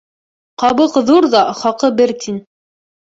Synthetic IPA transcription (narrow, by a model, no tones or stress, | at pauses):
qɑβɤqðuɾðɑχɑqɤbɘɾt̪ʰin